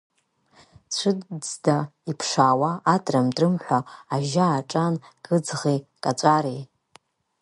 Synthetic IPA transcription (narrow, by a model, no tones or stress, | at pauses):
t͡ɕʷʰɨdd͡zdaipʰʂaːwaʔːtʼramtʼrɨmħʷaaʒaːʈ͡ʂʼanɡʼɨd͡zʁikʼat͡ʃʷʼaɾi